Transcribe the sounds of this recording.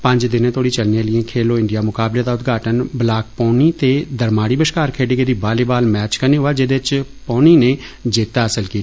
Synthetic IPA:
pəɲd͡ʒd̪ɪnẽːt̪ʰoːɽiːt͡ʃəlneːlɪẽːkʰeːloːɪ̃ɳɖijaːmʊkaːbleːd̪aːʊt̪ɡaːʈənblaːk̚pɔːniːt̪eːd̪əɾmaːɽiːbəʃkaːɾkʰeːɖeːked̪iːbaːleːbaːlmɛːt͡ʃkəneːɦoːaːd͡ʒɪd̪eɪt͡ʃ | põːniːneːd͡ʒɪːt̪aːəsəlkiːt̪a

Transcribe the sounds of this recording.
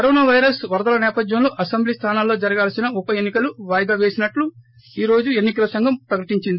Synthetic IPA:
kkɐɾoːnaːʋɐjɐɾɐsʋɐɾd̪ɐlɐnɛːpɐd̪jɐmlo̞ːʔɐsɐmbliːst̪ʰaːnaːlːo̞ːd͡ʒɐɾɐɡaːlsinɐupɐjenːikɐluʋaːjɐd̪aːʋe̞ːsinɐʈlu | iːɾo̞ːd͡ʒue̞nːikɐlɐsɐŋɡɐmpɾɐkɐʈiɲt͡ʃind̪i

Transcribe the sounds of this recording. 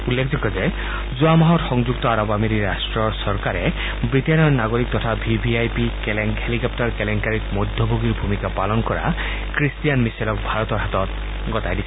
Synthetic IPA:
ulːekʰzɔkɔze | zuamaɦɔtxɔŋzuk̚t̪ɔaɾɔbamiɾiɾasʈɹɔɹsɔɹkaɾe | bɹit̪enɔnaɡoɾik̚t̪ɔt̪ʰabʱibʱiajpikeleŋhelikɔp̚taɹkeleŋkaɾikmɔd̪ʱjɔbʱoɡiɾbʱumikapalɔnkɔɾa̰ | kɾistijanmiselɔkbʱaɾɔt̪ɔɾɦat̪ɔt̪ | ɡɔtajdisʰ

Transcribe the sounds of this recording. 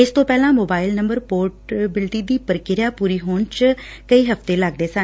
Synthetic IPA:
ɪst̪õːpɛːlãːmoːbaːɪlnəmbəɾpoːɾʈbɪlʈ̪iːd̪iːpəɾkɪɾjaːpuːɾiːɦoːnt͡ʃkəiːɦəft̪eːləɡ̚d̪eːsə̃n

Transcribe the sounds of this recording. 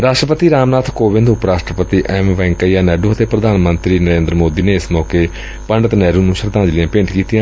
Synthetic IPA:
ɾaːʃʈɾəpət̪iːɾaːmnaːt̪ʰkoːʋɪ̃nd̪ʊpɾaːʃʈɾəpət̪iːʔɛːmʋɛ̃ːŋkəijaːnɛːɖuːət̪eːpɾəd̪ʱaːnmənt̪ɾiːnəɾẽːnd̪ɾəmoːd̪iːneːɪsmɔːkeː | pəɳɖət̪nɛːɾuːnũːʃəɾd̪ãːd͡ʒlɪjãːpɪ̃ɳʈkiːt̪ɪijãː

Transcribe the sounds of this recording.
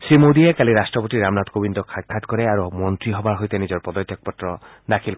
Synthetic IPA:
sɾimod̪iekaliɾasʈɾɔpot̪iɾamnat̪kobind̪ɔkʰakʰat̪kɔɾeaɾumɔnt̪ɾiɦɔbaɾɦojt̪enid͡ʒɔɾpɔd̪ɔt̪ʰːɔk̚pɔt̪ːɾɔ | d̪akʰil

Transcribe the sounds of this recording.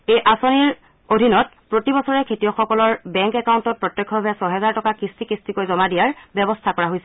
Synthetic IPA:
ejʔasoniɹ | odʱinɔt | pɹotibɔsɔɹɛkʰetijɔxɔkɔlɔɹbɛŋkɛkawntɔt̚pɹɔtjɔkʰːɔbʱasɔɦɛzaɹtɔkakɹistikɹistikojzɔmadijaɹbɛbɔstʰakɔɹaɦojsɛ

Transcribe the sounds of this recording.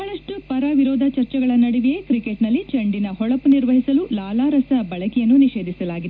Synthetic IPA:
mɐɭɐʂʈupɐɾɐʋiɾɔːd̪ʱɐt͡ʃɐɾt͡ʃɐɡɐɭɐnɐɽiʋijekɾikeʈnɐlːit͡ʃɐɳɖinɐɦɔɭɐpuniɾʋɐɦisɐlulaːlaːɾɐsɐbɐɭɐkɛjɐnːuniʃeːd̪ʱisɐlaːɡid̪

